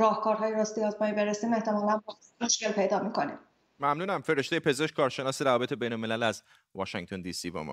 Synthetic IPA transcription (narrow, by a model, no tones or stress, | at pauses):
ɾɒːhkʰɒːɾɦɒːjeɾɒːst̪ijɒːzmɒːibeɾesiːme̞ht̪e̞mɒːlænb | oʃce̞lpʰe̞jd̪ɒːmikʰo̞nḭm | mæmnuːnæmfe̞ɾe̞ʃt̪e̞jepʰe̞ze̞ʃk̚ʲkʰɒːɾʃe̞nɒːseɾævɒːbeebe̞jnolme̞lælæz | vɒːʃæŋt̪ʰond̪iːsiːbɒ̰ːmɒ̰